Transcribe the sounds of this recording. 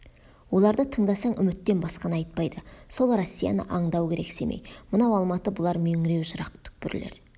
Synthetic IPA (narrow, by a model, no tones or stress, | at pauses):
wo̞lˠɑɾd̪ət̪ʰəɴd̪ɑsɑɴʏmɪt̪ːe̞nbɑsqɑnɑjt̪̚pɑjd̪əso̞lˠrosʲːija̰nə̰ʔɑɴd̪ɑwkʲʰe̞ɾe̞kse̞mʔḛjmənɑwɑlˠmɑt̪əbʊlˠɑɾmeŋɪɾe̞wʒʊɾɑqt̪ʰʏ̥k̚pɪɾlḛɾ